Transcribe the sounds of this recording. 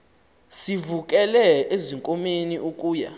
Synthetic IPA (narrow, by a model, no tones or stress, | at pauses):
sivuk̬ʼɛlɛeziŋkʼomeniʔuk̬ʼuːja̰